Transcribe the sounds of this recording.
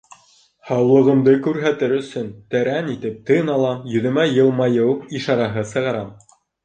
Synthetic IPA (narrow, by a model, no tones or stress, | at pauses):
hɑwlˠɤ̆ʁɤ̆md̪ɤkʉɾɦæt̪ɘɾɵ̆sɵnt̪æɾænit̪ɘp̚t̪ɤnɑlˠɑjɵ̆ðɵ̆mæjɤ̆lˠmɑjɤwiʃɑɾɑɦɤsɤ̆ʁɑɾɑm